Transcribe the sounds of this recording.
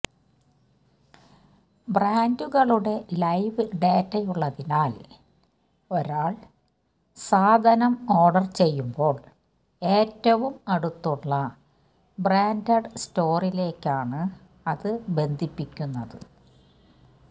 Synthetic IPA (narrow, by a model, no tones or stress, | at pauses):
braːnduɣɐɭuɽe̞lɐjʋɨɖe̞ːtːɐjuɭːɐðinaːl | o̞ɾaːɭ | saːd̪ʱɐnɐmo̞ːrɖɐrt͡ɕe̞jːumbo̞ːɭ | e̞ːtːɐʋumɐɽut̪ːuɭːɐ | braːndɐɖsto̞ːrile̞ːkʲːaːɳɨ | ɐðɨbe̞nd̪ʱipːikʲːunːɐðɨ̰